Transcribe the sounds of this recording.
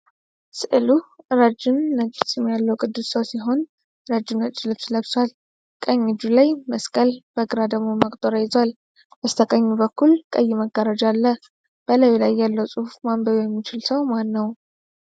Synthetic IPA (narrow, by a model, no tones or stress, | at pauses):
sɨʔɨluɨɾad͡ʒɪmːət͡ʃʼːɪsɛmjalːəwkʼɨd̪ːusːəwsiɦo̞n | ɾad͡ʒɪmnət͡ʃʼlɨβsləβswal | kʼəɲːɪd͡ʒulajməskʼəlb̥əɡɨɾad̪əɡmo̞məkʼt̪ʼoɾəjɪzwal | bəst̪ʰəkʼəɲːubəkʰːulkʼəjːɪməɡːəɾad͡ʒalːə | b̥ələwilajːalːəwsʼuhufmambəβjɛmːit͡ʃɪlsəwmanːəw